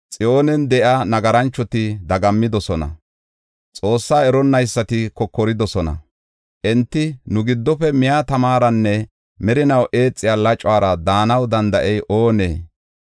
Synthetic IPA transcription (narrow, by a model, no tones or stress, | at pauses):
t͡sʼɪjo̞ːnɛnd̪ɛʔanɐɡɐɾɐnt͡ʃːɔt̪ɪd̪ɐɡɐmːɪd̪ɔsɔnɐ̰ | t͡sʼo̞ːsːaːɛɾɔnːɐjsːɐt̪ɪkɔkːɔɾɪd̪ɔsɔnɐ̰ | ʔɛnt̪ːɪnʊɡɪd̪ːɔpɛmɪjat̪ɐmaːɾɐnːɛ | mɛɾɪnɐwʔe̞ːt͡sʼːɪjaːlɐt͡ʃʼʊwaːɾɐd̪aːnɐwd̪ɐnd̪ɐʔɛjʔoːnḛː